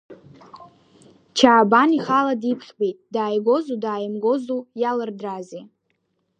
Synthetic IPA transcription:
t͡ʃʰaːbaniχaladipʰχʲbe̞jtʼdaːjɡʷo̞zudaːjɨmɡo̞zujalɨrdraze

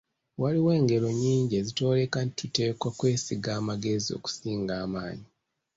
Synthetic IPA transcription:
waliwe̞ːŋɡe̞lo̞ɲiːɲɟe̞zito̞ːle̞kantʰute̞ːkwakwe̞ːsiɡaːmaɡe̞zio̞̰ku̥siːŋɡaːmaːɲi

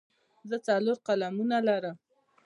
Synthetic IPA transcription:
zət͡saloɾqalamunalaɾəm

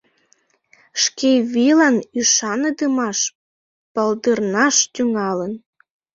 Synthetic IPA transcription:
ʃkeβilɑnyʃɑnəd̪əmɑʃ | pəld̪ərnɑʃt̪yŋɑlən

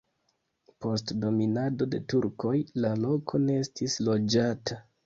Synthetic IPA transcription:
po̞stdo̞minado̞de̞tuɾko̞jlalo̞kʰo̞neestislo̞d͡ʒatʰa

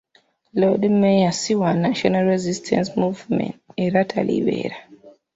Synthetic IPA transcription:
loɗimɛjasiwanaʃɔnalɾɛzistʰɛ̰̃nsmuvmɛ̰̃ntɛɾatʰalḭwɛ̰ɾa

